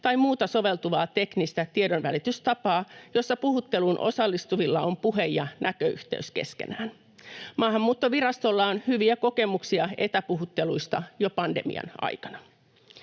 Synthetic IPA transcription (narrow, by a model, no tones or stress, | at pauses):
t̪ɑimuːt̪ɑso̞ʋe̞lt̪uʋɑːt̪e̞knist̪æt̪iedonʋælit̪yst̪ɑpɑːjo̞sːɑpuhut̪ːelunʔo̞̰sɑlːist̪uʋilːɑompuɦe̞jjɑnʔækøy̰ht̪ḛyske̞skḛnæːn | mɑːɦɑmːuːt̪ːoʋirɑst̪olːɑonhyʋiæko̞ke̞muksiɑe̞t̪æpuɦut̪ːe̞luist̪ɑjo̞pɑndḛmḭɑ̰nɑ̰jkɑnɑ̥